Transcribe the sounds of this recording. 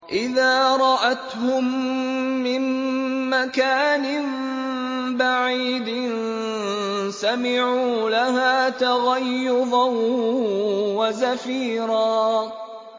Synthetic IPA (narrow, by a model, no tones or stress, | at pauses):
ʔɪðaːɾˤɑʔat̪hʊmː | ɪnː | akaːnɪm | baʕiːd̪nn | samɪʕuːlaɦaːt̪aɣajːʊðˤɑw | wazafiːɾɑː